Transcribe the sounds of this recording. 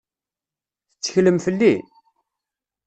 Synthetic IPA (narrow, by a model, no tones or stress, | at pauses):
θət͡sːə̥çləmfəlːi